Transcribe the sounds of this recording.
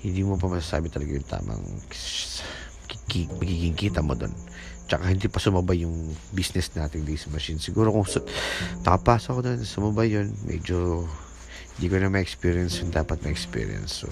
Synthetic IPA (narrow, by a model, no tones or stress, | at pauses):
hɪnd̪iːmopɐmɐsasa̰ːbɪt̪ɐlɐɡajʊŋt̪a̰ːmɐ̰ŋks | kimɐɡiːɡɪŋkiːt̪ɐmo̰d̪o̞̰n | t͡ʃɐkahɪnd̪iːpɐsʊmɐbajʊŋbisnɛsnaːt̪ɪŋd̪isɐmɐʃinsɪɡuːɾokʊŋsp̪ɐkɐpaːsokod̪onɐsʊmɐbajonmʔɛ̰d͡ʒo | hɪnd̪iːkonɐmɐʔɛkspiɹjɐnsjʊŋd̪aːpɐt̪̚mɐʔɛkspḭːɾj̰ɐ̰nso̰